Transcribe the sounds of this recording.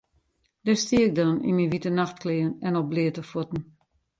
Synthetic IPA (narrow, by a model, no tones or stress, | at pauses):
d̥ɛstiəɪk̚dɔnḭnmiʋitənaxt̚klɪːənɛnɔp̚blɪətəfutn̩